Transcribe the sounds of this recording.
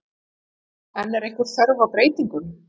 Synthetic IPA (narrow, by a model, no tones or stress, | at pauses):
ɛnːɛɾejhkvʏɾ̥θœɾvawpɾeːjt̪iŋkʏn